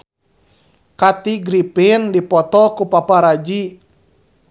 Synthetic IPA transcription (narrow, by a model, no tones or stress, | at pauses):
kat̪iɡɾipɪndipɔt̪ɔkupapaɾad͡ʒi